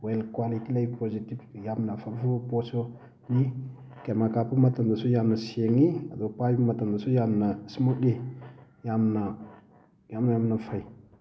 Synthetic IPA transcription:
welkwalikilaipozitivjamnafavuposo | ni | kamakapumatamdasojamnasieŋiadopajmatamdasojamnasmuɗejamna | jamnajamnafai

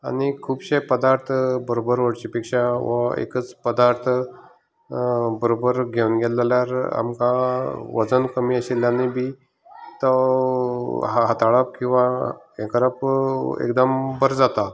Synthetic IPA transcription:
añikʰuːbɕepəd̪aɾt̪ʰbəɾobəɾʋəɽt͡ɕipikʂaʋəḛkət͡spəd̪aɾt̪ʰ | bəɾobəɾɡʱeunɡeləljaɾa̰mkaʋəd͡zənkəmiːəɕiljanibi | t̪ə | ɦaɦat̪aɭəp̚kĩw̃ʋa | ekɾəpḛkd̪əmbəɾd͡zat̪a

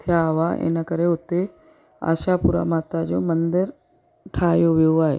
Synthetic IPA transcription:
t̪ʰjaʋaʔḛnakəɾeʊt̪ːe | a̰ːʃapʊɾa̰maːt̪ad͡ʒoːmənd̪əɾ | ʈʰaːjoʋjoaːḛ

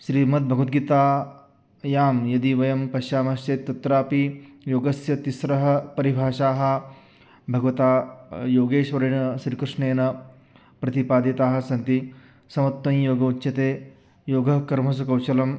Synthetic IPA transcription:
ʃɾiːmɐt̪̚bʱɐɡʋɐt̪̚ɡit̪aː | jaːmjɐd̪iʋɐjɐmpɐʃjaːmɐʃt͡ʃeːt̪ːɐt̪ɾaːpijoːɡɐsjɐt̪isɾɐɦɐ̆pɐɾibʱaːʃaːɦɐ̆ | bʱɐɡʋɐt̪aːjoːɡeːʃʋɐɾeɳɐʃɾikɾɪʂɳeːnɐ | pɾɐt̪ipaːd̪ɐt̪aːɦɐ̆sɐnt̪i | sɐmɐt̪ːʋɐnjoːɡɐutːɕɐt̪eː | joːɡɐkɐɾmɐs̬ukɐwʃɐlɐm

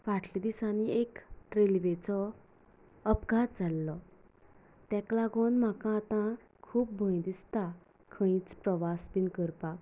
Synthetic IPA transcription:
ʋaʈʰlid̪isaniekɾelʋet͡sɔ | əpɡat̪̚d͡zalːɔ | t̪ɛ̃klaɡonm̤akãːt̪ã | kʰuːp̚bʱə̃jd̪ist̪a | kʰə̃ĩt͡spɾəʋasbinkəɾpak

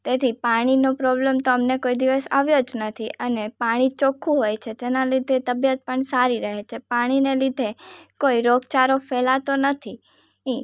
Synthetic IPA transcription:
t̪et̪ʰipaɽ̃inopɾɔblemt̪oəmnekoid̪iʋəsa̰ʋjod͡ʒnət̪ʰiʔənepaɽ̃it͡ʃokʰũɦojt͡ʃʰet̪enalid̪ʱet̪əbjət̪̚pəɳsaɾiɾəɦet͡ʃʰepaɽ̃inelid̪ʱekoiɾoɡt͡ʃaɾofɛlat̪onət̪ʰi | ĩ

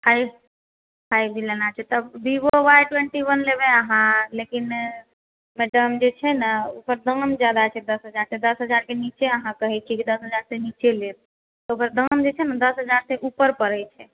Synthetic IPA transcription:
haj | ɦajd̪ilənat͡ʃʰɛt̪əbb̪iboʋajʈwẽɳʈiwənlebeəɦãlekin | meɖəmd͡ʒet͡ʃʰɛnəukəɾd̪əmd͡ʒjad̪at͡ʃʰɛd̪əsɦəd͡ʒaɾsed̪əsɦəd͡ʒaɾkenit͡ʃeəɦãkəɦɛt͡ʃʰikid̪əsɦəd͡ʒaɾsenit͡ʃelet̪̚ | t̪ɔokəɾd̪əmd͡ʒet͡ʃʰɛnəd̪əsɦəd͡ʒaɾseʔupəɾpəɾət͡ʃʰɛ

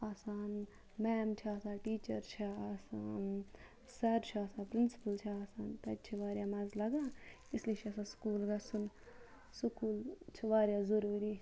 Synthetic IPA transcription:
asaːn | mɛːmt͡ʃʰiasãːʈiːt͡ʃɐɾt͡ʃʰɐɐsan | sɐɾt͡ʃʰiɐːsãːpɾinsi̥pɐlt͡ʃʰiɐsaːnt̪ɐt͡ʃʰiʋaːɾjaːmɐzlɐɡãː | islet͡ʃʰɐsãːskuːlɡɐsun | sukuːlt͡ʃʰiʋaːɾʲjaːzɐɾuːɾi

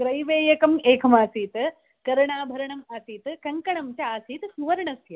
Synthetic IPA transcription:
kɾɐjʋeːjɐkɐmeːkʰɐmaːsiːt̪ | kɐɾɐɳaːbʱɐɾɐɳɐmaːsiːt̪kɐŋkɐɳɐmt͡ʃaaːsiːt̪suʋɐɾɳɐsjɐ

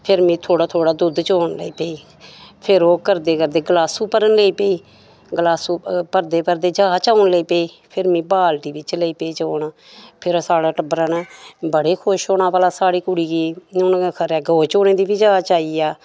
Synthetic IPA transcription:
pʰɪɾmĩːt̪ʰoːɽaːt̪ʰoːɽaːd̪ʊd̪t͡ʃoːɳlə̰iːpeːiː | pʰɪɾoːkəɾd̪eːkəɾd̪eːɡlaːsuːpəɾənleiːpeiː | ɡəlaːsuːpəɾd̪eːpəɾd̪eːd͡ʒaːt͡ʃaːɳləiːpeiː | pʰɪɾmĩːbaːlʈ̪iːbɪt͡ʃləiːpeiːt͡ʃoːnaː | pʰɪɾsaːɽaːʈəbəɾənːbəɽeːkʰoʃoːɳaːpaːlaːsaːɽiːkʊɽiːkiːʊnkʰəɾɛːɡoːt͡ʃoːnẽːd̪iːbiːd͡ʒaːt͡ʃaːiːaː

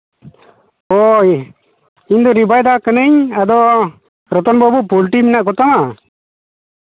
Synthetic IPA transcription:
ɔ | iɲd̪ɔɾibajd̪akənəɲad̪ɔ | ɾɔt̪ɔnbɔbɔpulʈimɛnaʔkɔt̪ama

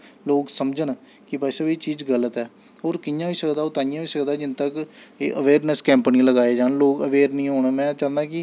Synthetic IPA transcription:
loːksəmd͡ʒən | kɪbɛːsəbiːt͡ʃiːd͡ʒɡələt̪ɛː | ɦoːɾkɪjãːʋiːsəkd̪aːoːt̪aːɪjãːʋiːsəkd̪aːd͡ʒɪnt̪əkeːʔəʋeːɾnɛskɛ̃ːmpniːləɡaːeːd͡ʒaːnloːkəʋeːɾnĩːɦoːɳːmɛ̃ːt͡ʃãːnd̪ãːkɪ

